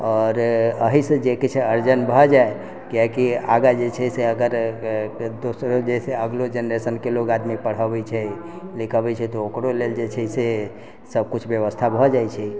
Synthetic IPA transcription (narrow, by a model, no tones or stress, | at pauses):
ɔɾəɦisə̃d͡ʒeket͡ʃʰeəɾd͡ʒənbʱɔd͡ʒae | kiakiaɡad͡ʒet͡ʃʰɛseəɡəɾ | d̪osɾod͡ʒeseəɡlod͡ʒenɾesənkelokad̪mipəɽ̤əbɛt͡ʃʰɛ | likʰəbɛt͡ʃʰɛt̪ɔokɾoleld͡ʒet͡ʃʰɛse | səb̚kut͡ʃʰbjəβəst̪ʰabʱɔd͡ʒajt͡ʃʰɛ